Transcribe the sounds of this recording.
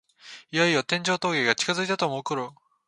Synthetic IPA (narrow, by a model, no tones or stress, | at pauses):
ijaijot̪ẽ̞ɲ̟d͡ʑo̞ːt̪o̞ːɡe̞ɡat͡ɕi̥kazɨit̪at̪o̞moːkoɾɯ